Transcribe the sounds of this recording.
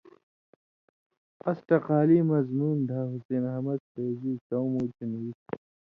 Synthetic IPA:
ɐsʈɐqaːliːmɐzmuːnd̪ʱaːɦuseːnɦɐmɐd̪̚seːziːtɐwmoːt͡ɕʰinit̪̚ʰ

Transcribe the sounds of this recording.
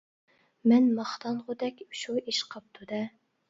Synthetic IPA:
mɛnmɑχt̪ɑnʁʊd̪ɛkʲʃuiʃqʰɑp̚t̪ʰud̪ɛ

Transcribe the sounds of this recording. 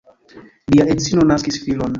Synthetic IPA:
liaʔet͡sinonaskisfilon

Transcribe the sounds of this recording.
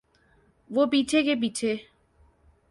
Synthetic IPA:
ʋopit͡ɕʰekebit͡ɕʰe

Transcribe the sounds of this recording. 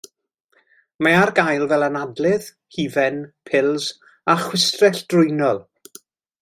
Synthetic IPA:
maarɡajlˠvɛlˠanadlˠɨð̥ | hiːvɛnpʰɪlˠz | aχwɪstrɛɬd̥rʊjnɔlˠ

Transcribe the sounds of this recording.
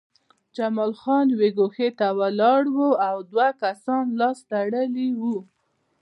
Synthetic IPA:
d͡ʒamɑlxɑnweɡoxet̪awalɑɽwoawd̪wakasɑnlɑst̪aɽəliwu

